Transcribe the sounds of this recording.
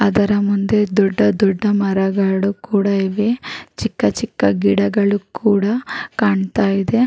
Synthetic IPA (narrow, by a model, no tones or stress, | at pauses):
ɐd̪ɐɾɐmund̪e̞d̪ɔɖːɐd̪ɔɖːɐmɐɾɐɡaːɽukuːɽɐeʋet͡ʃikːɐt͡ʃikːɐɡiɽɐɡɐɭukʰuːɽɐkaːɳt̪aːjid̪e̞